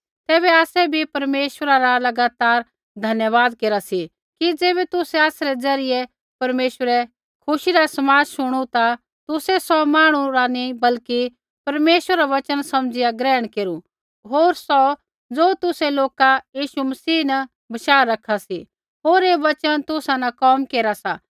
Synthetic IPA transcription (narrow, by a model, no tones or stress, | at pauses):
t̪ɛːβɛaːsɛbʱipɐɾmeːʃʋəɾaɾalɐɡaːt̪aːɾ | d̪ʱɐnjəʋaːd̪̚keːɾasi | kid͡zeːβɛt̪ʊsɛaːsɾɛd͡zɐɾɪjɛ | pɐɾmeːʃʋəɾɛ | kʰʊʃiɾasɐmaːd͡ʒʃʊɽ̃ut̪a | t̪ʊsɛsɔmaːɽ̃uɾanibɐlki | pɐɾmeːʃwəɾaʋɐt͡ʃənsɐmd͡ʒɪjaɡɾɛːəɽ̃keːɾu | ɦoːɾsɔ | d͡zoːt̪ʊsɛloːkajiːʃumɐsiːnɐ | bɐʃaːɾːɐkʰasi | ɦoːɾeːʋɐt͡ʃənt̪ʊsãnɐkɔːmkeːɾasa